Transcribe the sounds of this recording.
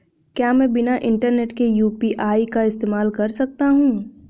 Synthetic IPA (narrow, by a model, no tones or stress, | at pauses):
kjaːmɛ̃ːbɪnaʔɪ̃ɳʈəɾneːʈkejuːpiʔaːikaɪst̪eːmaːlkɐɾsɐk̚t̪aɦũː